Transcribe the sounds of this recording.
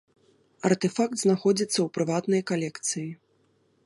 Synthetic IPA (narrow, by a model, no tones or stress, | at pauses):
ɐrt̪ɛfak̚t̪znaxɔd͡zʲit̪sːɐwpɾɨvat̪nɐjkalʲɛkt̪sɨji